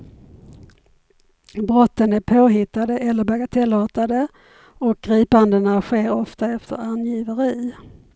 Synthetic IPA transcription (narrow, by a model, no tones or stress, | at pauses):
bɾɔt̪ːənæɾpʰoːɦɪt̪ːad̪əʔɛlːəɾbaɡat̪ʰɛlːɑːt̪ad̪ə | ɔk̚ɡ̥ɾiːpand̪ənaɧeːɾɔft̪aɛft̪ʰə̰ɾanjiːvəɾiː